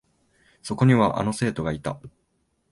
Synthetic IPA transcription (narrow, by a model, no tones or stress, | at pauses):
so̞ko̞ɲ̟iβaʔa̰no̞se̞ːt̪o̞ɡait̪a